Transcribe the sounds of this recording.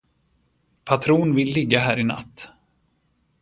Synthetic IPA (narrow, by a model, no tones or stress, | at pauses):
pʰat̪ʰɾuːnvɪlːɪɡːaɦæːɾɪna̰t̪ː